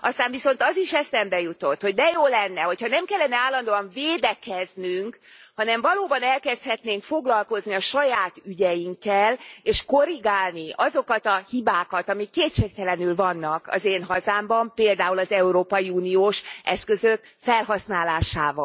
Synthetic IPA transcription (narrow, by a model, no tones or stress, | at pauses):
ɒst̪aːɱviso̞nt̪ɒziʃɛsɛmbɛjut̪o̞t̪ːho̞ɟ̚d̪ɛjoːlɛnːɛɦo̞chɒnɛmkɛlːɛnɛaːlːɒnd̪oːɒɱveːd̪ɛkɛznyŋkhɒnɛɱvɒloːbɒnɛlkɛst̪hɛt̪neːŋkfo̞ɡlɒlko̞zniɒʃɒjaːt̪yɟɛjiŋkːɛleːʃko̞ɾiɡaːlniʔɒzo̞kɒt̪ɒhibaːkɒt̪ɒmikːeːt̪ʃeːk̚t̪ɛlɛnylvɒnːɒkɒ̰zeːnɦɒzaːmbɒmpeːld̪aːulɒzɛuɾoːpɒjiuːnioːʃʔɛskø̞zøk | fɛlɦɒsnaːlaːʃa̰ːvɒ